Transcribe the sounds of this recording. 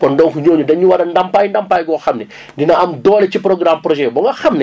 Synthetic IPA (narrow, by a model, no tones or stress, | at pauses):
kɔndɔŋkuɲɔːɲudɐɲuwɐɾɐndampaːjndɐmpaːjɡɔːxɐmnɛ | dinɐɐmdɔːlɛt͡ʃipɾɔɡɾampɾɔʒɛbɔŋɡɐxɐmnɛ